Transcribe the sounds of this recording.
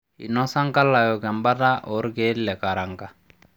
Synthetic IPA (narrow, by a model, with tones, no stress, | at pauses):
ḭ˨nɔ˦sa˦ŋka˦lːa˨jɔ˨kɛ˨mba˦ta˦ʔɔ˨˦ɾɡe˦lːɛ˨ka˨ɾa˨ŋka˨